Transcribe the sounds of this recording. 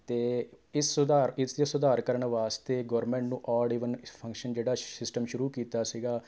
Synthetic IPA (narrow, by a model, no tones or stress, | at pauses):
t̪eː | ɪsʊd̪aːɾɪsd̪sʊd̪aːɾkəɾəɳʋaːst̪eːɡɔːɾmɛ̃ːɳʈnũːʔɔːɽiːʋənpʰə̃ŋkʃənd͡ʒeːɽaːsɪsʈəmʃʊɾuːkiːt̪aːsiːɡaː